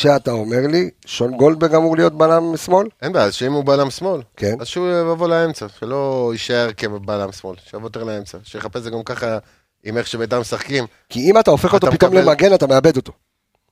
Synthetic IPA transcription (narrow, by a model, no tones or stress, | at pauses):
ʃeat̪ao̞me̞ʁliʃonɡo̞ld̪̚beɡamuʁlijo̞t̪̚belamsmo̞lenbealʃeimubalamsmo̞lkenazʃeuavolaemt͡saʃelo̞iʃaeʁkebalamsmo̞lʃejavot̪̬eʁlaemt͡saʃejeχapeszeɡamkaχa | imeχʃebetamesaχkim | kiimataofeχot̬opitomlemaɡe̞natameabe̞d̪o̞to̞